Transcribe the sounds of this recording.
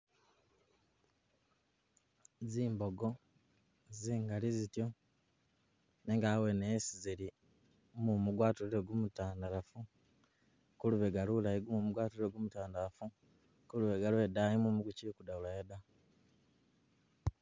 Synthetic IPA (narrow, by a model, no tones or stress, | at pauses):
ziːmbo̞ɡo | ziːŋɡalizitjo̞ | neŋɡawenesiziɾi | mumuɡwaːtuɾiɾeɡwumutaːndaɾafu | kuluβeɡalulajiɡumumuɡwaːtuɾiɾeɡwumutaːndaɾafu | kuluβeɡaluedajimumuɡucikudaulajeda